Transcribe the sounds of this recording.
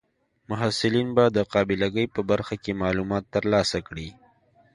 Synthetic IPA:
mʊɦasɪlinbad̪əqɑbɪlaɡəjpəbaɾxakemɑlumɑt̪ːəɾlɑsakɽi

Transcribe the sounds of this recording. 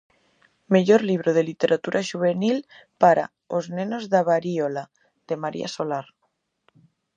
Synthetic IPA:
meʎoɾliβ̞ɾoð̞elit̪eɾʔat̪uɾʔaʒuβ̞enil | paɾa̰ | oznenozðaβaɾiola | ð̥emaɾḭa̰solaɾ

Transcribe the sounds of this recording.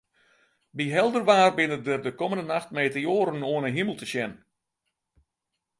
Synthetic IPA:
biɦɛlˠdərʋaːrbɪnədərdəkɔməndənaxtmeːtəjoːɾənoənəɦiməlˠtəsjɛn

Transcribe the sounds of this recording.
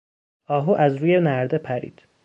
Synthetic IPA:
ɒːɦuːʔæzɾuːjenæɾd̪e̞pʰæɾḭːd̪̥

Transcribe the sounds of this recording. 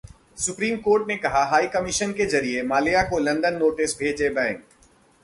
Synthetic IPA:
sʊpɾiːmkoːɾʈnekɐɦaɦaːikɐmɪʃənkezɐɾiemaːlijakolɐ̃nd̪ənːoːʈɪsbʱeːd͡ʒebɛ̃ːŋk

